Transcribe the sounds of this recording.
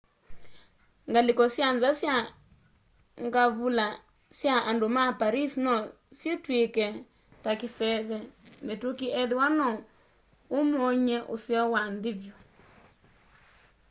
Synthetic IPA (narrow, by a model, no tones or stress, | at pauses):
ŋɡalikɔsjanzasja | ŋɡaβula | sjaʔandomapaɾisnɔ | sjetwekɛ | takɪsɛβɛmetukiɛðiwanɔ | omoɲɛʔosjɔwandɪβjɔ